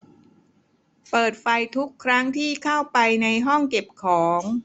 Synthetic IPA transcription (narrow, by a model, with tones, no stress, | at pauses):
pɤː˨˩t̪̚fa˧jt̪ʰu˦˥kʰːɾa˦˥ŋt̪ʰiː˥˩kʰa˥˩wpa˧jna˧jɦɔ˥˩ŋke˨˩p̚kʰɔː˩˦ŋ